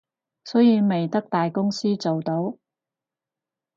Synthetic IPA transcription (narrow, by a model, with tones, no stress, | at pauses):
sɔ˨˥jiː˨˧me˨jt̪ɐ˥k̚t̪aː˨jkʊ˥ŋsiː˥t͡so˨wt̪o˨˥w